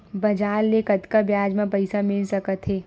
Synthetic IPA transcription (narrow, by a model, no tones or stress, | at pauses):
bɐd͡ʒaːɾːekɐt̪kabjaːd͡ʒmẽpɐɪsamɪlsɐkət̪ɦeː